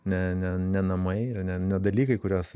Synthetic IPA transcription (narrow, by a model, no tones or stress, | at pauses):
nʲɛnʲɛnʲɛnɐmɐɪɪrnʲɛnʲɛd̪ɐlʲiːkɐɪkʊɾʲoːs